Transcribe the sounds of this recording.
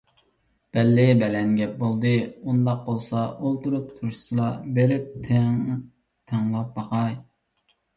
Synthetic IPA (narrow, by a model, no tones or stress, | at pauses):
b̥ɛlːɪbɛlɛnɡʲɛp̚bolˠd̪ɨund̪ɑq̚bolˠsɑʔolˠt̪uɾupt̪ʰuɾʃu̥sɨlˠɑbeɾɪp̚t̪ʰ | t̪ʰeŋlˠɑp̚bɑqʰɑj